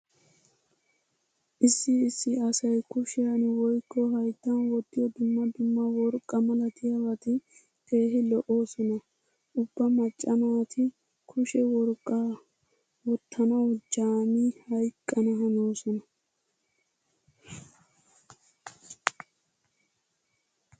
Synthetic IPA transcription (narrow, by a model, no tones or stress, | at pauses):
ʔɪsːɪːsːɪɐsɐjkʊʃɪjɐnwɔjkʰʼːɔɦɐjd̪ːɐnwɔd̪ːɪjɔd̪ʊmːɐd̪ʊmːɐwɔɾkʼːɐmɐlɐt̪ʰɪjɐwɐt̪ɪ | kʰe̞ːɦɪlɔʔo̞ːsɔnɐ | ʔʊbːɐmɐt͡ʃʼːɐnɐwɐt̪ʰɪ | kʰʊʃɛwɔɾkʼːa | wɔt̪ʰːɐnɐwd͡ʒaːmihɐjkʼːɐnɐɦɐnoːsɔnɐ